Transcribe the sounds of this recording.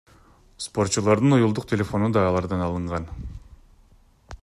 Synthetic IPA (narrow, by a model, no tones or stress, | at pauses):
spo̞ɾt̪̚t͡ʃulˠɑɾd̪ɯnujulˠd̪uqt̪ʲʰe̞lʲe̞fo̞nud̪ɑɑlˠɑɾd̪ɑnɑlˠɯɴʁɑn